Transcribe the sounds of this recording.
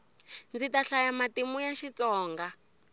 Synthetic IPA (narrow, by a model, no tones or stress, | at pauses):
nd͡zitaɬajamatimujaʃit͡sɔːŋɡa